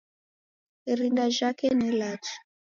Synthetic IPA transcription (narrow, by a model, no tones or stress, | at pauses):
rindaʒakenelatʰi̥